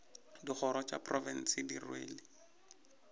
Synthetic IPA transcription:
diχʰɔɾɔt͡ʃa̰prɔvɛn̩sɪdirwḛːlɪ

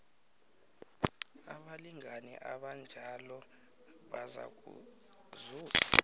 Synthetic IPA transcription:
aɓaliŋʱanɛ̰ʔaɓand͡ʒʱalɔ | ɓaza̰k̬ṵ | zuːka

